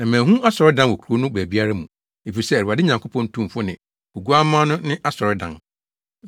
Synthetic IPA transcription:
ã˨mæ̃ː˨ɦũ˦ʔa˦sɔ˨ɾɪ˦dã˦nwo˨kʰu˨ɾo˦nʊ̃˦bæ˨bi˦a˦ɾa˦mũ˨ | e˨fi˨sɛ˦æ˨ɾi˨a˨dɪ˦ɲã˨ŋkʰo˦pʰɔ̃˦n̩˦tʰũ˦m˨fʊ˦nɪ̃˨ | o˨ɡu˦a˦mã˦nʊ̃˦nɪ̃˦ʔa˦sɔ˨ɾɪ˦dã̰˨n

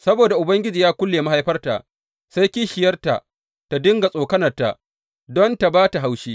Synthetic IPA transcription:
sɐ˦boː˨da˨ʔʊ˨bɐ˦ŋɡʲɪ˦d͡ʒiː˨jaː˦kʷʊ˦lːeː˨ma˦ha˦jɸɐ˦rta̰˨ʔ | sa˦jkʲi˦ʃɪ˨jɐ˦rta̰˨ʔ | ta˨dɪ˦ŋɡa˨sʼoː˨kɐ˦nɐ˨rta̰˨ʔ | dɔ˦nta˨baː˦ta˨ɦa˦wʃiː˦

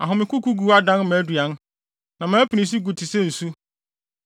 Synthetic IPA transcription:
a˨ɦʊ̃˨mɪ̃˨kʰu˦ku˦ɡu˨˦a˦dã˦nmæ̃ː˨˦du˨ã˨˦n | nã˨mãː˨˦pʰi˨nĩ˨s̬i˦ɡu˨tʰɪ˨sɛ˦n̩˨su˦

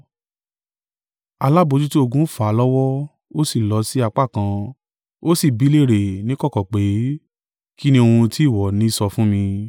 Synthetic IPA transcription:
a˧la˦bo˧d͡ʒu˦ti˦o˧ɡũ˦fa˨˦lɔ˦wɔ˦ | o˦si˦˨lɔ˨˦si˦a˧k͡pa˦˨kã˧ | o˦si˦˨bi˨˦le˦˨ɾe˨nĩ˨˦kɔ˦kɔ˨k͡pe˨˦ | ki˦nĩ˧o˧hũ˧ti˦˨wɔ˨nĩ˨˦sɔ˧fũ˦mĩ˧

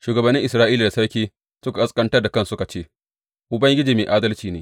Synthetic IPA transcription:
ʃuː˨ɡɐ˨bɐ˨nːɪ˦ŋʔɪ˨sɾaː˦ʔiː˦la˨da˨sɐ˦ɽkʲiː˦ | sʊ˦ka˨ɐ˦skʼɐ˦ntɐ˦da˨kɐ˦nsʊ˦ka˨t͡ʃeː˦ | ʔʊ˨bɐ˦ŋɡʲɪ˦d͡ʒiː˨meː˨ʔaː˦dɐ˦lt͡ʃiː˨neː˨

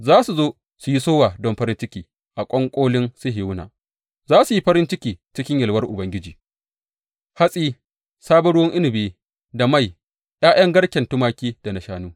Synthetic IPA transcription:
zaː˦su˨zoː˦ | su˨ji˦soː˦waː˨dɔ˦mɸɐ˦ɾɪ˦nt͡ʃɪ˦kʲiː˨ | ʔa˨kʷʼɔ˦ŋkʷʼoː˦lɪ˦nsʊ˦ɦɪ˨wʊ˦na̰ː˨ | zaː˦su˨ji˦ɸɐ˦ɾɪ˦nt͡ʃɪ˦kʲiː˨t͡ʃɪ˦kʲɪ˦ɲjɐ˨lwɐ˦rʔʊ˨bɐ˦ŋɡʲɪ˦d͡ʒiː˨ | ha˦sʼiː˦ | saː˦bɐ˦ɽʊ˦wɔ˦ŋʔɪ˦nɪ˨beː˦ | da˨ma˦˨j | j̰aː˦j̰ɐ˦ŋɡɐ˦ɽkʲɛ˨ntʊ˦maː˦kʲiː˦d̥a˨nɐ˨ʃaː˦nuː˦

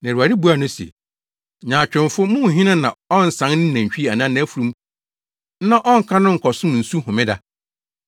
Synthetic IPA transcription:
nã˨ɾu˨a˨di˦bu˦a˨nʊ̃˦sḛ˨ | ɲãː˨t͡ɕᶣɪ̃˨mfʊ˦mʊ̃˦˨ɦĩ˦nã˦nã˨ɔ̃˦n̩˨sã˨˦nnɪ̃˦næ̃˨ɲ̩˨ɕᶣi˦˨a˨nã˦ñ˦fu˨ɾũ˦m̩˦ | nã˦ʔɔ̃˦ŋ̩˨kʰa˦nʊ̃˦ŋ̩˨kʰɔ˨sʊ̃˦m˨n̩˨su˦hʊ̃˨mɪ̃˦da˦

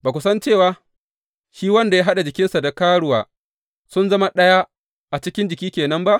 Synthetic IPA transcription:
baː˨kʷʊ˦sɐ˦nt͡ʃeː˦˨waː˨˦ | ʃiː˦wɐ˦nda˨ja˦ɦa˦ɗa˨d͡ʒɪ˨kʲɪ˦nsa˨da˨kaː˦ɽʊ˦waː˨ | sʊ˦nzɐ˦ma˦ɗɐ˦ja˦ | ʔa˨t͡ʃɪ˦kʲɪ˦nd͡ʒɪ˨kʲiː˦kʲeː˨nɐ˦mba˦ʔ

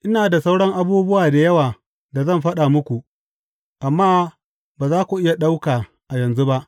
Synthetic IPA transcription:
ʔɪ˦naː˨da˨sa˦wɽɐ˦ŋʔa˦buː˦bʊ˦waː˨da˨jɐ˦waː˨ | da˨zɐ˦mɸɐ˦ɗa˨mʊ˦kʷu˨ʔ | ʔa˨mːaː˦ | baː˨zaː˦kʷu˨ʔɪ˦ja˨ɗa˦wkaː˨ | ʔa˨jɐ˨nzu˦ba˦ʔ

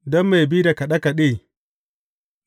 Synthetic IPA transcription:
dɔ˦mːa˨bi˦da˨ka˨ɗɐ˦ka˨ɗeː˦˨

